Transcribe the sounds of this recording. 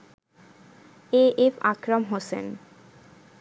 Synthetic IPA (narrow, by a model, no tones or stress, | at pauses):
eefa̰kɾamɦosḛn